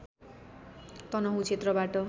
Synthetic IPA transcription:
t̪ʌnʌɦũt͡sʰet̪rʌbaʈʌ

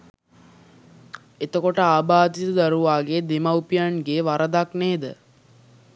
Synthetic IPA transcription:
et̪əkoʈəaːbaːd̪it̪əd̪aɾuʋaːɡed̪emawpijanɡeːʋaɾəd̪akneːd̪ə

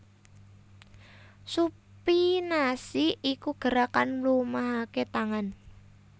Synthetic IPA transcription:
su | pinasiikuɡ̥ə̤ɾakanlumaɦaket̪aŋan

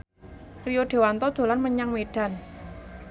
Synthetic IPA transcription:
rijoɖ̪̥e̤want̪ɔd̪̥o̤lanməɲaŋmeɖ̥a̤n

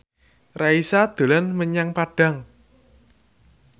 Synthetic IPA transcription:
raisad̪̥o̤lanməɲaŋpaɖ̥a̤ŋ

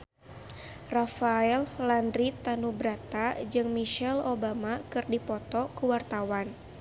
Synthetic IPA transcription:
rafaɛllandɾit̪anubɾat̪ad͡ʒɨŋmiʃɛlobamakɨrdipɔt̪ɔkuwart̪awan

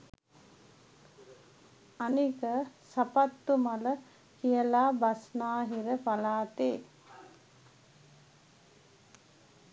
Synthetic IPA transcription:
anikəsapat̪ːumalə | kijəlaːbasnaːɦiɾəpalaːt̪eː

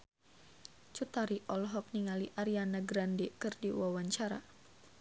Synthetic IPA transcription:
t͡ʃut̪aɾiʔɔlɦɔk̚niŋaliʔaɾianaɡɾandikɨrdiwawaɲt͡ʃaɾa̰

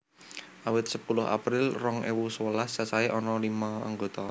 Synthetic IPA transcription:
ʔawɪt̪̚səpulʊɦa̰pɾɪlrɔŋʔḛwuswəlast͡ʃasaeʔɔnɔlimaa̰ŋɡot̪ɔ

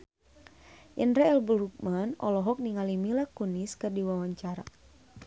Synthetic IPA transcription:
janɾaɛlbəɾuk̚manɔ̰lɔɦɔk̚niŋalimilakuniskɨrdiwawaɲt͡ʃaɾa̰

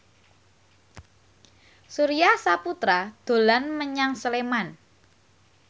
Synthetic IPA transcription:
suɾiasaput̪ɾad̪̥o̤lanməɲaŋsəleman

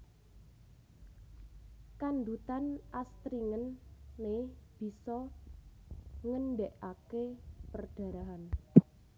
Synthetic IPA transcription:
kanɖ̪ut̪anʔast̪ɾiŋənːeb̥i̤sɔ | ŋənɖɛʔakepərɖ̥a̤ɾaɦan

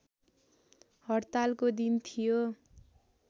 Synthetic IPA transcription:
hʌrt̪alkod̪int̪ʰijo

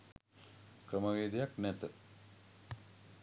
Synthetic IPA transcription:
kɾəməʋeːd̪ejaknɛt̪ə

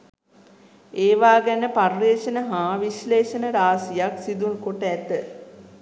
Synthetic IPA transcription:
eːʋaːɡænəparʋeːʃənəɦãːʋiʃleːʃənəɾaːsijaksid̪uŋkoʈəæt̪ə

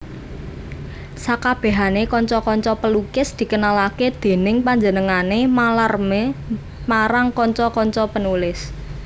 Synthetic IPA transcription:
sakab̥ɛ̤ɦanekɔɲt͡ʃɔkɔɲt͡ʃɔpəlukɪsd̪̥i̤kənalaked̪̥e̤nɪŋpaɲd͡ʒənəŋanemalarme | maɾaŋkɔɲt͡ʃɔkɔɲt͡ʃɔpənulɪs

